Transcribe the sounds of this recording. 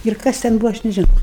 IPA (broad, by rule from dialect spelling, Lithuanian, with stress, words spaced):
ɪr ˈkɐs tʲɛn ˈbuːʋoː ˈɐʃ nʲɛʒʲɪˈnɐʊ